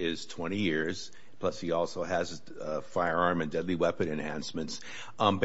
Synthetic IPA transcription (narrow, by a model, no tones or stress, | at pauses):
ɪz̥tʰw̥ɛ̃ɾ̃ijɪɹz̥ | pʰl̥ʌshiɔlˠsoʊɨz | faɪə˞ɑɹmɨ̃ndɛdˡliwɛpɨ̃nɨ̃nhæ̰̃nsmɨ̃nts | b